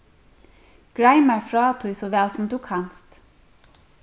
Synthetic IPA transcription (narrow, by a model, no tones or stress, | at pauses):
ɡ̥ɹæɪmæɹfɹɑːt̪ʰʊsɔʋɛlsɔmd̪ʉːkʰɑnst̪